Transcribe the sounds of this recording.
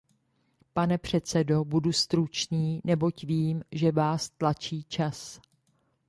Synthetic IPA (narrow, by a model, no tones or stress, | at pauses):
panɛpr̝̥ɛt̪st͡sɛdo̞budust̪ɾut͡ʃɲiːnɛbo̞cviːmʒɛvaːst̪lat͡ʃiːt͡ʃas